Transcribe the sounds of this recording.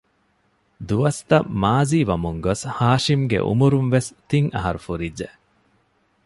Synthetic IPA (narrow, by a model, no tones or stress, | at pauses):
d̪uʋɐst̪ɐmaːziːʋɐmuŋɡoshaːʃimɡḛʔṵmuɾunʋest̪iŋɐ̰ɦɐɾufuɾidːe